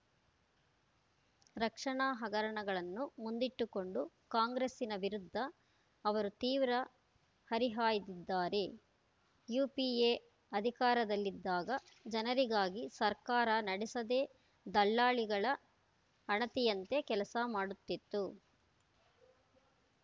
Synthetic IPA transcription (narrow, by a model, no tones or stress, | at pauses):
ɾɐkʂɐɳaːɦɐɡɐɾɐɳɐɡɐɭɐnːumund̪iʈːuko̞ɳɖu | kaːŋɡɾesinɐʋiɾud̪ʱːɐː | ʋɐɾut̪iːʋɾɐ | hɐɾiɦaːjid̪id̪ːaːɾe̞ | juːpieː | ɐd̪ʱikaːɾɐd̪ɐlːid̪ːaːɡɐ | d͡ʒɐnɐɾiɡaːɡisɐɾkaːɾɐnɐɽisɐd̪e̞ː | d̪ɐlːaːɭiɡɐɭɐ | ɐɳɐt̪ijɐnt̪e̞kɛlɐsɐmaːɽut̪ːit̪ːu